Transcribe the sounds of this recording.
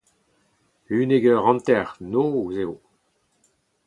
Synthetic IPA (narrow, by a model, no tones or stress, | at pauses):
yneɡœʁɑ̃nt̪ɛʁnouzeo